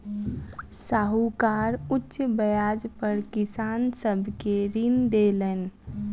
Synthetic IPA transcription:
saːɦukaːɾʊtːʃbəjaːd͡ʒpəɾkɪsaːnsəbʱkeɾind̪elən

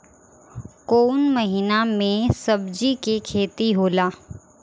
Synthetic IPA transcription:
koːnməɦiːnamẽsɐbd͡ʒikekʰeːt̪iɦoːlaː

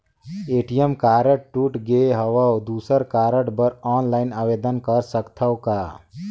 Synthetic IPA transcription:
eːʈijəmkaːɾəʈ̚ʈuʈɡeɦɐʋawd̪uːsəɾkaːɾəʈbəɾɔːnlaːɪnaːʋeːd̪ənkəɾsəkt̪ʰəwkaː

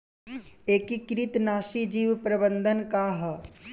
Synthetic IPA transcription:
eːkikɾit̪naːʃid͡ʒiːʋpɾɐbə̃nd̪ʱənkaɦ

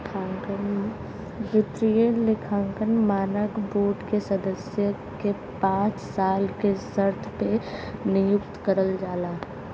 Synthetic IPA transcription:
akən | ʋɪt̪ɾijelɪkʰãːŋkənmaːnəkboːʈkesɐd̪əsjə | ke | pãːt͡ʃsaːlkesəɾt̪ʰpenɪjʊkt̪kəɾəld͡ʒaːlaː

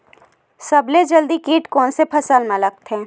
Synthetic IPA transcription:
sɐbled͡ʒɐld̪ikeːʈkɔːnsepʰɐsəlmãləɡ̚t̪ɛ̃ː

